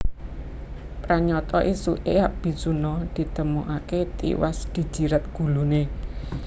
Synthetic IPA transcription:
pɾaɲɔt̪ɔʔisuʔeaʔb̥i̤sunɔd̪̥i̤t̪əmuʔaket̪ḭwasɡ̥i̤d̥d͡ʒ̥i̤ɾət̪̚ɡ̥ṳlune

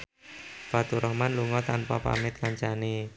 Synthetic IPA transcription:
fat̪uɾʔɔhmanluŋɔt̪anpapa̰mɪt̪̚kaɲt͡ʃane

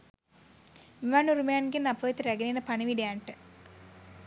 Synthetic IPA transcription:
miʋanuɾumejanɡenːapəːt̪uɾæɡenenəpaniʋiɖejaɳʈə

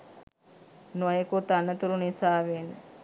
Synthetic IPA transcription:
nuʋajekut̪anːət̪ulunisaːʋenə

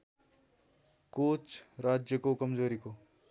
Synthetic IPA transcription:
kot͡ʃɾaːd͡ʒjəkokɐmzoːɾiko

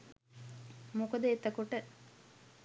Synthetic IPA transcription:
mukəd̪eːt̪ːɐkuʈə

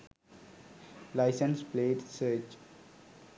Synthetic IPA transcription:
laɪsə̃nspleːɖsəːɾt͡ʃ

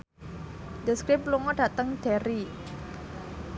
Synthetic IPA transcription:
d̪əskɾɪp̚luŋɔɖ̥at̪əŋɖ̥ɛɾi

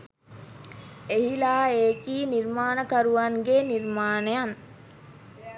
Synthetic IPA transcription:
eɦilaːeːkiːniɾmaːnəkɐɾuʋɐŋɡeniɾmaːnejaŋ

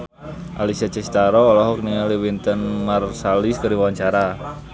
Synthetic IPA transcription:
ʔalisat͡ʃɛst̪aɾɔːlɔɦɔk̚niŋaliwint̪ənmarsaliskaɾiwawaɲt͡ʃaɾa

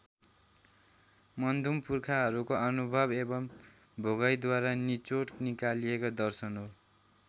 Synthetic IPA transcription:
mʌnd̪ʱumpurkʰaɦʌɾukoʌnubʱʌbebʌm | bʱoɡʌjd̪waɾanit͡soʈnikalijekod̪ʌrsʌnɦo

